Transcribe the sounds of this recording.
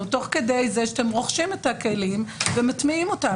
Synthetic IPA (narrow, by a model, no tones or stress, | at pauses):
ut̪o̞χkede̞jzeʃtemʁo̞χʃimetake̞limvematmiimo̞ta